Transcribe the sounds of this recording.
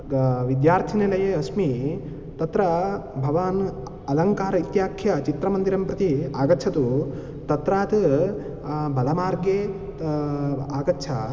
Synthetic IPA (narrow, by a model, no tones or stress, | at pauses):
ʋid̪jaːɾt̪ʰinilɐjeɐsmi | t̪ɐt̪ɾɐbʱɐʋaːn | ɐlɐŋkaːɾɐit̪jaːkʰjɐt͡ʃit̪ɾɐmɐnd̪iɾɐmpɾɐt̪iaːɡɐtːt͡ʃʰɐt̪u | t̪ɐt̪ɾaːt̪ | bʱɐlɐmaːɾɡjeː | aːɡɐtːt͡ʃʰɐ